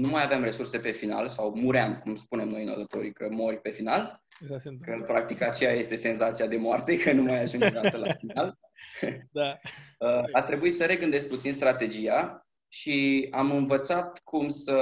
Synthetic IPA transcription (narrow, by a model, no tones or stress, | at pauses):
numajaveamre̞surse̞pe̞fina̰lsawmuɾamkumspune̞mno̞jnod̪ət̪o̞ɾikəmo̞ɾʲpe̞final | kəpɾakt̪ikat͡ʃejaje̞st̪e̞se̞nzat̪siad̪e̞moart̪e̞kənumajaʒund͡ʒed̪aet̪əlafinal | əat̪ɾe̞buit̪səɾe̞ɡɨnd̪e̞sk̚put̪sinst̪ɾat̪e̞d͡ʒija | ʃiamɨnvət̪sat̪kʰumsə